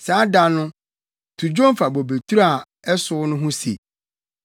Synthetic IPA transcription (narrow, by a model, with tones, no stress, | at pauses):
saː˨˦da˨nʊ̃˦ | tʰu˨d͡ʑõ˦m˦fa˨bɔ˨be˨tʰu˦ɾa˨ | ɛ˦sʊ˦nʊ̃˦ɦʊ̃˦sḛ˨